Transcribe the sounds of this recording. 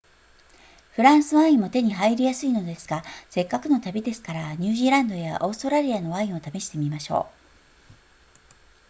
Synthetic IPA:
ɸɯ̟ɾãɰ̃sɨβaĩmo̞t̪e̞ɲ̟iɦaiɾʲijasɨino̞d̪e̞sɨ̥ɡase̞kːakɯ̟no̞t̪abʲid̪e̞sɨ̥kaɾaɲ̟ɨːʑiːɾãnd̪o̞jaʔo̞ːsɨ̥t̪o̞ɾaɾʲiano̞βaĩɰ̃o̞t̪ame̞ɕi̥t̪e̞mʲimaɕo̞̰ː

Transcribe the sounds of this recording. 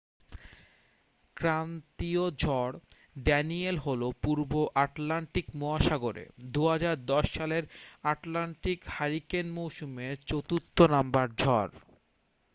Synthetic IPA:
kɾant̪iod͡ʑʱɔɽ | ɖɛnielɦolopuɾboʔaʈlaɳʈikmoaʃaɡoɾḛd̪uɦad͡ʑaɾd̪ɔʃːaleɾaʈlaɳʈikhaɾikenmowʃumet͡ɕot̪ut̪ːonambaɾd͡ʑʱɔɾ

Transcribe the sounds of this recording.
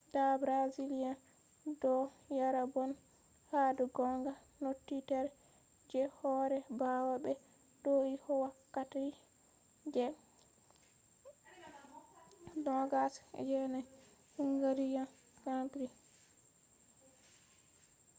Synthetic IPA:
dabɾazilija | dɔjaɾabɔn | haduɡɔŋɡanotːitaɾ | d͡ʒɛhɔɾɛbawabɛ | doihɔwakːati | d͡ʒɛ | dɔɡasd͡ʒɛna | huŋɡaɾija | kapɾi

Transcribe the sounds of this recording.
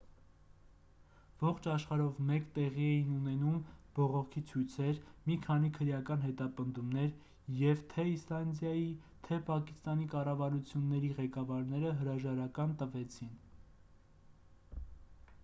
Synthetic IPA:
vɔχt͡ʃʰɑʃχɑɾɔvmɛkt̪ɛʁiɛjinunɛnumb̥ɔʁɔkʰit͡sʰujt͡sʰɛɾmikʰɑnikʰəɾjɑkɑn̪ɦɛt̪ɑpənd̪umnɛɾ | jɛvt̪ʰɛislɑnd̪jɑji | t̪ʰɛpɑkist̪ɑnikɑrɑvɑɾut͡sʰjunːɛɾiʁɛkɑvɑɾnɛɾəɦəɾɑʒɑɾɑkɑnt̪əvɛt͡sʰin

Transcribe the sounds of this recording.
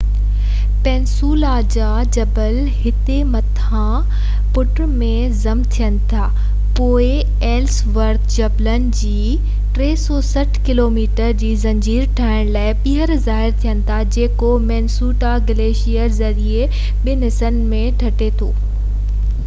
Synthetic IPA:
pɛ̃ːnsuːlad͡ʑaːd͡ʑɐbəl | ɦɪt̪emɐt̪ʰã | pʊʈ | mẽ | zɐmt̪ʰijənɪ̆t̪ʰaː | poːɪ | eːlsʋɐɾk̪d͡ʑɐblən̆d͡ʑiː | ʈɾeːsɔːsɐʈʰkɪloːmiːʈəɾd͡ʑiːzɐ̃ɲd͡ʑiːɾʈʰaːɪɽ̃laːɪɓiɦəɾzaːɦɪɾt̪ʰijənɪ̆t̪ʰad͡ʑeːkomɛːnsuːʈaɡɪleːʃijəɾzɐɾie | ɓɪnɪsənɪ̆mẽʈʰɐʈet̪ʰoː

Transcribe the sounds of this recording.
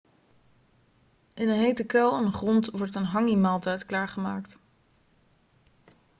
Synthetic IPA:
ʔɪnənɦejtəkɛlˠɛnχrɔntʋɔɹtənɦɑŋimaːlˠtɛjtklaːɹχəmaːkt

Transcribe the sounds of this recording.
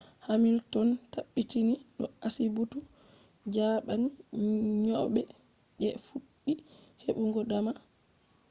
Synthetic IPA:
hamiltɔntaɓːitiniɗɔasibutu | d͡ʒaːɓaniɲɔɓɛ | ɗɛfuɗːiheɓuŋɡɔdama

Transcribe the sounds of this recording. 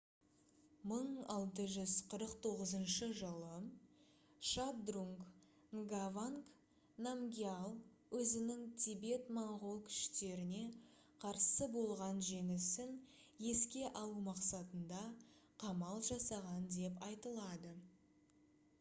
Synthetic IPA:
məɴɑlˠt̪əʒʏzqʰəɾəqt̪ʰo̞ʁəzənʃəʒəlˠə | ʃab̚d̪ruŋk | ŋɡavaŋk | namɡʲialˠ | wɵzɪnɪŋt̪ʲʰibe̞t̪maɴʁo̞lˠkʲʰʏ̥ʃt̪e̞ɾɪne̞ | qʰɑɾsəbo̞lˠʁɑnʒe̞ŋɪsɪn | je̞skʲe̞ʔɑlˠumɑqsɑt̪ənd̪ɑ | qʰɑmɑlˠʒɑsɑʁɑnd̪e̞pɑjt̪əlˠɑd̪ə

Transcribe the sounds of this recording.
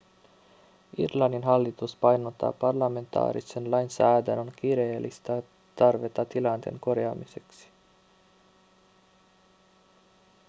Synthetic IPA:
irlɑnːinɦɑlːit̪uspɑjnot̪ːɑ̰ːpɑrlɑme̞nt̪ɑ̰ːɾisenlɑjnsæːd̪ænonk̟iɾe̞ːlːist̪æ | t̪ɑrʋe̞t̪ɑt̪ilɑnt̪e̞̰ŋko̞ɾjɑːmise̞ksi̥

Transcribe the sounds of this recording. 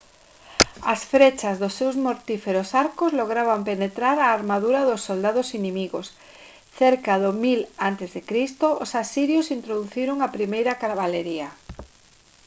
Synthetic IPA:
ɐsfɾet͡ʃazðʊsːewzmoɾt̪ifeɾosaɾkozloɣ̞ɾaβampenet̪ɾaɾaːɾmaðuɾaðʊsːold̪aðʊsinẽmiɣos | θeɾkaðomilant̪ezðekɾist̪oʊsasiɾjosint̪ɾoðuθiɾoŋapɾimejɾakaɾβaleɾia

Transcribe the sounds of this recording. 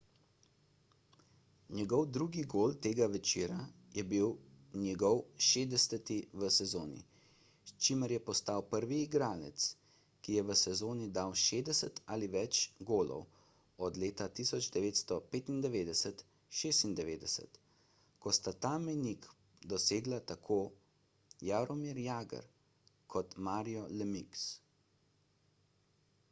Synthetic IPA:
njɛɡɔwd̪ɾuːɡiɡoːlt̪eːɡaʋɛt͡ʃiːɾa | jɛbiw | njɛɡɔwʃeːd̪ɛsɛt̪iʋəsɛzoːnḭ | st͡ʃiməɾjɛpɔst̪awpəɾʋiːɡɾaːlɛ̰t̪s | kijɛʋəsɛzoːnid̪awʃeːd̪ɛsɛt̪aliʋɛt͡ʃɡoːlɔ̰w | ɔd̪leːt̪at̪isɔd͡ʒd̪ɛʋeːt̪st̪ɔpeːt̪ind̪ɛʋeːd̪ɛsət̪ | ʃeːst̪ind̪ɛʋeːd̪ɛsə̰t̪ | kɔst̪at̪aːminik | d̪ɔseːɡlat̪akʰoː | jaɾɔmiɾjaːɡə̰ɾ | kʰɔt̪maːɾijɔlɛmiks

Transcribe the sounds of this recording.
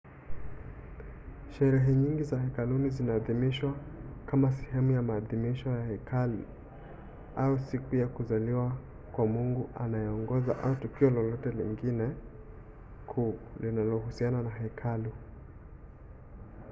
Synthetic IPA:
ʃɛɾɛɦɛɲiŋɡizahɛkalunizinaːðimiʃwakamas̬ɛhɛmujamaːðimiʃɔjahɛkʰali | ausikujakuzaliwa | kwamuŋɡuʔanajɛɔŋɡɔza̰ʔautukiɔlɔlɔtɛliŋɡinɛ | kʰulinalɔhusiananahɛikʰalu

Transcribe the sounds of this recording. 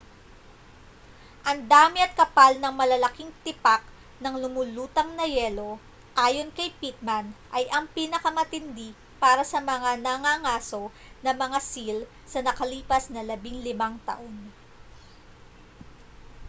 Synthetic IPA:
ʔɐŋd̪aːmɪɐt̪̚kɐpalnɐŋmɐlɐlɐkiŋt̪ɪpak̚ | nɐŋlʊmʊluːt̪ɐŋnɐjɛlo̞ | ʔaːjo̞nkɐjpit̪̚manʔɐjʔɐŋpiːnɐkɐmɐt̪ɪnd̪i | paːɾɐsɐmɐŋanɐŋaŋaːso̞ | nɐmɐŋasil | sɐnɐkɐliːpɐsnɐlɐbiŋlɪmaŋt̪ɐ̰ʔo̞n

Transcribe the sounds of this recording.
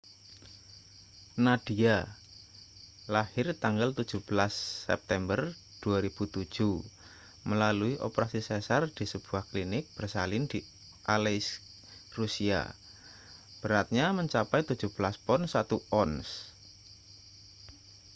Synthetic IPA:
nad̪̥ia | lahɪrt̪aŋɡalt̪ud̥ʒ̥ṳb̥əlasːɛ̰p̚t̪ɛmbər | d̪̥uaɾib̥ut̪ud̥ʒ̥u | məlaluiʔo̰pəɾasisɛsard̪̥i̤səb̥ṳahklinɪk̚b̥ərsalɪnd̪̥i | ʔales | rusia̰ | b̥əɾat̪̚ɲaməɲt͡ʃapɛjt̪ud̥ʒ̥ṳb̥əlaspɔnsat̪uʔɔns

